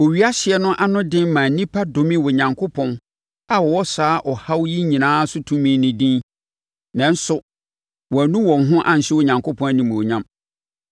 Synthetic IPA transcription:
wo˨ɥi˨˦a˦ɕɪ˨ɛ˨nʊ̃˦ʔa˨nʊ̃˦dɪ̃˦nmãː˨n̩˨nĩ˦pʰa˦do˨mĩ˦wʊ˨ɲã˨ŋkʰo˦pʰɔ̃˦n | a˨wɔ˨wɔ˦saː˦ʔɔ˨ha˦wji˦ɲĩ˨nãː˦sʊ˦tʰũ˦mĩ˦nɪ̃˨dĩ˦ | nã˨n̩˦sʊ˦ | wɔ˨æ˨nũ˦wɔ̃˨nɦʊ̃˦ʔã˨n̩˨ɕɪ˦wʊ˨ɲã˨ŋkʰo˦pʰɔ̃˦næ˦˨nĩ˨m˨o˨ɲã˦m

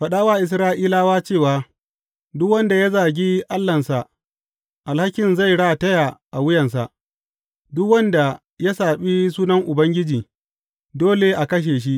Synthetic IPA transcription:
ɸɐ˨ɗaː˦waː˦ʔɪ˨s̬ɾaː˦ʔiː˦laː˦waː˦t͡ʃeː˦˨waː˨ | dʊ˦kwɐ˦nda˨ja˦zaː˨ɡʲiː˦ʔa˦lːɐ˨nsa˨ʔ | ʔa˨lha˦kʲɪ˨nza˦˨jɽa˦˨tɐ˦ja˨ʔa˨wʊ˦jɐ˨ns̬a̰˨ʔ | dʊ˦kwɐ˦nda˨ | ja˦saː˨ɓi˦s̬uː˦nɐ˦ŋʔʊ˨bɐ˦ŋɡʲɪ˦d͡ʒiː˨ | doː˦le˨ʔa˨kɐ˦ʃ̬eː˨ʃ̬i˦ʔ

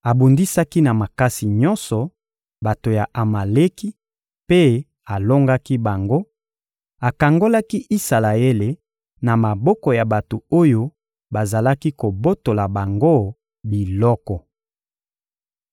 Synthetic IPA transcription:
a˨bu˨ndi˦sa˦ki˦na˨ma˨ka˦si˨ɲɔ˦nsɔ˨ | ba˨to˨ja˨ʔa˨ma˨le˦ki˦ | pe˦ | a˨lo˦ŋɡa˦ki˦ba˨ŋɡo˦ | a˨ka˨ŋɡo˦la˦ki˦ʔi˦sa˨la˨e˦le˨ | na˨ma˨bɔ˦kɔ˨ja˨ba˨to˨o˦jo˦ | ba˨za˨la˦ki˦ko˨bo˦to˨la˨ba˨ŋɡo˦ | bi˨lɔ˦kɔ˨

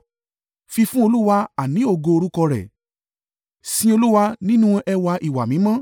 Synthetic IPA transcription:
fi˧fũ˦o˧lu˦wa˧a˨nĩ˨˦o˦˧˨ɡo˧o˧ɾu˦kɔ˧ɾɛ̰˨ | sĩ˦o˧lu˦wa˧nĩ˦nũ˦ʔɛ˧wa˧ʔi˨wa̰˨mĩ˨˦mã˦

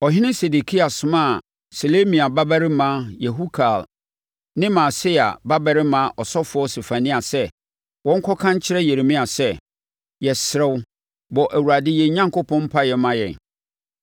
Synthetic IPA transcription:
ɔ˨ɦɪ̃˦nɪ̃˦se˨de˨kʰi˦a˨sʊ˨mã˦˨ | so˨le˦mĩ˨a˨ba˦bæ˦ɾɪ˦mã˦jɛ˨ɦu˦kʰa˨l | nɪ̃˦mã˨sɪ˦a̰˨ba˦bɛ˨ɾɪ˦mã˦ʔɔ˨sɔ˦fʊ˦ɔ˦se˨fa˨nĩ˦a˨sɛ˦ | wɔ̃˦ŋ̩˦kʰɔ˦kʰã˦ɲ˦t͡ɕʰɪ˦ɾɛ˦je˨ɾe˨mĩ˦a˨sɛ˦ | jɛ˨sɪ˨ɾɛ˦w | bɔ˨ʔæ˨wu˨ɾa˨dɪ˦jɛ˨ɲã˦ŋko˦pʰɔ̃˦m̩˦pʰa˦jɛ˨mã˦jɛ̰̃˨

